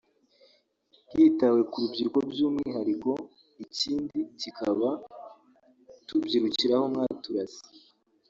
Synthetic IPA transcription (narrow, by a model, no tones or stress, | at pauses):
ɡitawe̞kuɾubɟiɾuko̞bɟuːmŋiːɦaɾiko̞ | iciːndicikʰaβa | tubɟiɾuciɾaho̞mŋaːtuɾasi̥